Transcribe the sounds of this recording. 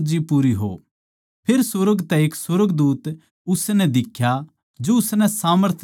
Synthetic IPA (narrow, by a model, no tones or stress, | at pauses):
d͡ʒipuːɾiɦo̰ | pʰeːɾsəɾəɡt̪ɛeːkswəɾəɡd̪uːt̪ | ʊsnɛd̪ɪkʰja | d͡ʒoʊsnɛsaːməɾt̪ʰ